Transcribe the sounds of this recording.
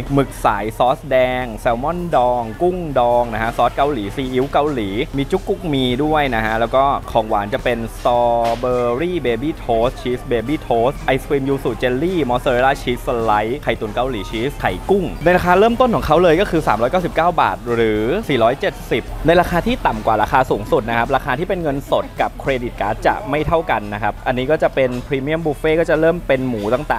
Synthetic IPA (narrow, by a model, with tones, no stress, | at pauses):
mɯ˨˩k̚sa̰ː˩˦jsɔː˦˥s̚dɛː˧ŋsɛː˧wmɔ˥˩ndɔː˧ŋku˥˩ŋdɔː˧ŋna˦˥kʰa˦˥sɔː˦˥t̪̚ka˧wliː˩˦siː˧˩ʔi˨˦˥wka˧wliː˩˦miː˧t͡ɕu˦˥kːu˦˥˩k̚miː˧du˥˩əjna˦˥kʰa˦˥ʔlɛː˦˥wkɔː˥˩kʰɔː˨˩˦ŋwa̰ː˩˦nt͡ɕa˨˩pe˧nsɔː˧bɤː˧ɾiː˥˩beː˧biː˥˩t̪ʰoː˦˥s̚t͡ɕʰiː˦˥beː˧biː˥˩t̪ʰoː˦˥sʔa˧jswiː˧mjuː˧su˨˩t͡ɕe˧nliː˥˩mɔː˨˧˥soː˧ɾe˧laː˥˩t͡ɕʰiː˦˥la˦˥jkʰa˨˩jt̪u˨˩nka˧wliː˩˦t͡ɕʰiː˦˥kʰa˨˩jku˥˩ŋna˧jɾa˧kʰaː˧ɾɤː˥˩mt̪o˥˩nkʰɔː˩˦ŋkʰa˦˥wlɤː˧jkɔː˥˩kʰɯː˧saː˩˦ɾɔː˦˥jkaː˥˩si˨˩p̚kaː˥˩wba̰ː˨˩t̪̚ɾɯː˩˦siː˨˩ɾɔː˦˥jt͡ɕe˨˩t̪̚si˨˩p̚na˧jɾaː˧kʰaː˧t̪ʰiː˥˩t̪a˨˩mkwaː˨˩ɾaː˧kʰaː˧suː˩˦ŋsu˨˩t̪̚na˦˥kʰa˦p̬̚ɾaː˧kʰaː˧t̪ʰiː˥˩pe˧nŋɤ˧nso˨˩t̪̚ka˨˩p̚kʰɾeː˧di˨˩t̪̚ka̰ː˦˥t̪̚t͡ɕa̰˨˩ʔma˥˩jt̪ʰa˥˩wka˧nːa˦˥kʰa˦˥p̚ʔa˧nːiː˦˥kɔː˥˩t͡ɕa˨˩pe˧npʰɾiː˧mi˥˩əmbuː˧˩feː˥˩kɔː˥˩t͡ɕa˨˩ɾɤː˥˩mpe˧nmuː˩˦t̪a˨˩ŋt̪aː˨˩